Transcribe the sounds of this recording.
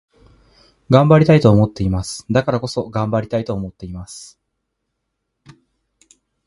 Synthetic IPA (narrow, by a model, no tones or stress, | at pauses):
ɡãmbaɾʲit̪ait̪o̞ːmo̞t̪ːe̞imasɨ̥d̪akaɾako̞so̞ɡãmbaɾʲit̪ait̪o̞ːmo̞t̪ːe̞imasɨ̥